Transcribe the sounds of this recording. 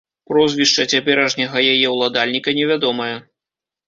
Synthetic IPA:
pɾɔzʲvʲiʂt͡ʂɐt͡sʲapʲɛɾɐʐnʲɐɣɐjajɛwlˠad̪alʲnʲikɐnʲɛvʲad̪ɔmɐjɐ

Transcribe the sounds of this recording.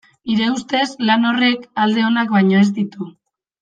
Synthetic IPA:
iɾe̞ust̪e̞slano̞re̞kald̪e̞o̞nakbajɲo̞e̞zd̪it̪u

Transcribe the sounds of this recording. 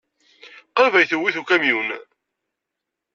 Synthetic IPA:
qəɾvæjθəwːiθukæmjun

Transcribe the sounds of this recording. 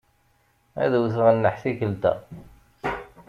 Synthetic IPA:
æ̰ðwθəʁənːəħθikəlt̪æ̰

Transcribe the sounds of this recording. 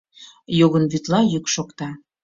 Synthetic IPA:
joɣənβyt̪lɑjykʃokt̪ɑ

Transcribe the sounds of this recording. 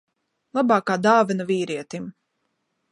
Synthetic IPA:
lˠabɑːkaːd̪aːvɛnɐviːɾiɛt̪im

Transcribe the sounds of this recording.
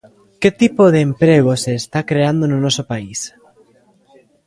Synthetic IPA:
ket̪ipoð̞eːmpɾeɣ̞oseːst̪akɾeand̪ononosopais

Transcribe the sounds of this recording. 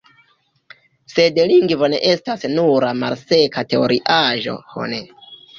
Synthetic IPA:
se̞dliŋɡvo̞ne̞̰ʔe̞stasnuɾamalse̞kate̞oɾʔiʔaʒo̞̰ho̰ne

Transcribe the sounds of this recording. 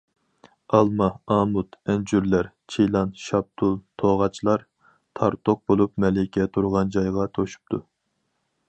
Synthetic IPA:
ɑlˠmɑɑmut̪ɛnd͡ʒyɾlæɾ | t͡ʃʰijlˠɑnʃɑb̚t̪ʰulˠt̪ʰoʁɑt͡ʃʰlˠɑɾ | t̪ʰɑɾt̪ʰoq̚bolˠupmɛlɪkʲʰɛt̪ʰuɾʁɑnd͡ʒɑjʁɑt̪ʰoʃu̥p̚t̪ʰu

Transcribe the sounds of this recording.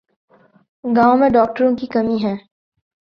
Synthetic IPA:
ɡaːõmẽɖɔːk̚ʈəɾõkikɐmiɦɛ̃ː

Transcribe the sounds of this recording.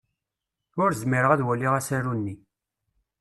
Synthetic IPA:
ʊɾzmiɾəʁæðwælːiʁæsæɾunːi

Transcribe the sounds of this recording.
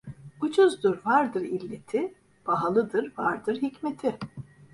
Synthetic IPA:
ut͡ʃʰuzd̪ɯɾvaɾd̪ɯɾilʲːet̪ʰi | b̥aɦalˠɯd̪ɯɾvaɾd̪ɯɾɦicmet̪ʰɪ

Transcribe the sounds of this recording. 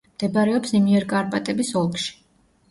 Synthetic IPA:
md̪̥ɛbaɾɛɔpsimiɛɾkʼaɾpʼat̪ʼɛbisɔlˠkʼʃi̥

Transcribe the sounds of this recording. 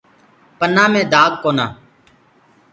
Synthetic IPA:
pənãːmẽːd̪aːɡ̪̚koːnaː

